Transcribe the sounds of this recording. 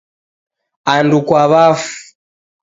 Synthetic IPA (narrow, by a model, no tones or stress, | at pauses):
andukwaβafu̥